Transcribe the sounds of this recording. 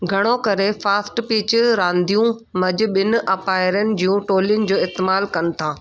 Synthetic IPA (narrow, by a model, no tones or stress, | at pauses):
ɡʱɐɽ̃okɐɾefaːsʈpiːt͡ɕɾãːnd̪ijũmɐd͡ʑʊ̆ɓɪnʊ̆ʔɐpaːɪɾənɪ̆d͡ʑijũʈoːlijʊnɪ̆d͡ʑoːɪst̪ɪmaːlkɐnɪ̆t̪ʰãː